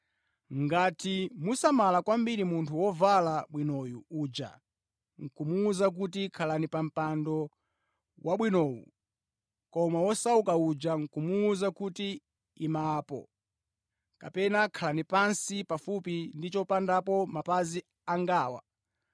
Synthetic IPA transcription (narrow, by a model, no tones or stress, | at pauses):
ŋɡatimusamalakwambiɾimuntʰuwɔvalaɓwinɔjuuːd͡ʒa̰ | ŋ̩kumuːzak̬ut̬ikʰalanipam̩pandɔ | wʔaɓwinɔːjṵ | kɔmawɔsaukaud͡ʒaŋ̩kumuːzakuti | imaːpɔ̰ | kapɛnakʰalanipansipafupindit͡ʃɔpandapɔmapazi | aŋɡaːwa̰